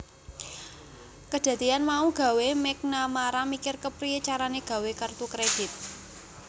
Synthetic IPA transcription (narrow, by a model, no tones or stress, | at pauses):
kəd̪̥ä̤d̪ianmauɡ̥a̤wemɛk̚namaɾamikɪrkəpɾiit͡ʃaɾaneɡ̥a̤wekərt̪ukɾed̥it̪̚